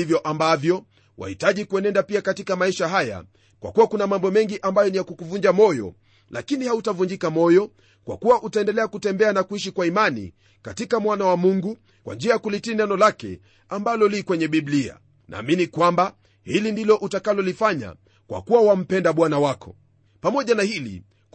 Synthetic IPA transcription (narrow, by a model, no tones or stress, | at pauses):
ivjɔʔambavjɔ | wa̰hitaʄikuɛnɛndapiakatikamaiʃaɦaja̰ | kwa̰kuwakunamambɔmɛŋɡiʔambajɔnijakukuvuɲd͡ʒamɔjɔ̰ | lʔakinihautavuɲd͡ʒikamɔjɔ | kwa̰kuwaʔutaɛndɛlɛakutɛmbɛanakuiʃikwaimanḭ | katikamwanawamuŋɡu | kwa̰nd͡ʒiajakulitinɛnɔlakɛ̰ | ambalɔlikwɛɲɛɓiɓlia̰ | nʔa̰ːminikwamba | hilindilɔʔutakalɔlifaɲa̰ | kwa̰kuwawam̩pɛndaɓwanawakʰɔ̥̰ | pamɔʄanahilḭ